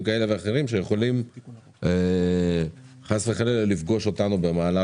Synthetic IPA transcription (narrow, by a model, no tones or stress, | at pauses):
mkae̞le̞veaχe̞ʁimʃejeχo̞lim | e | χasveχalellifɡo̞ʃo̞tanube̞maːla